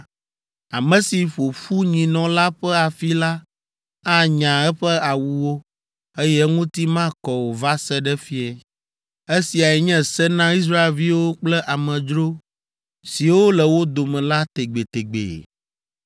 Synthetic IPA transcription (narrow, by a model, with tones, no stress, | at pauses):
a˨mɛ̃˨si˨ɸo˨fu˦ɲĩ˨nɔ̃˨la˦ɸɛ˦a˨fi˦la˦ | a˦ɲã˨ɛ˦ɸɛ˦a˨wu˨wo˦ | e˦jɛ˦ŋũ˦t̪i˦mã˦kɔ˨wo˨va˦sɛ˦ɖɛ˦fi˦ɛ˨ | e˦si˨a˨ɛ˨ɲɛ̃˦sɛ˦nã˦i˦s̬ɾa˦e˨lvi˦wo˦k͡plɛ˦ʔa˨mɛ̃˨d͡ʒɾo˦ | si˨wo˦lɛ˨wo˦d̪o˨mɛ̃˨la˦t̪e˨ɡ͡be˨t̪e˨ɡ͡bḛ˨